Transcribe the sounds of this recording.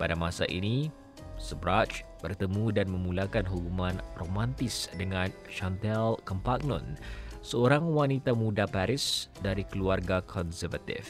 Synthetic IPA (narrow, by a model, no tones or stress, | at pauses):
padamasa̰ʔḭni | səbɾat͡ʃbərt̪əmũdanmə̃mulakanɦukumãnromãnt̪ɪsdəŋãn | ʃant̪ɛlkɔmpak̚nɔ̰̃nsəoɾaŋwanit̪amudapaɾɪsdaɾikəluarɡakʰɔnsərvat̪ḭf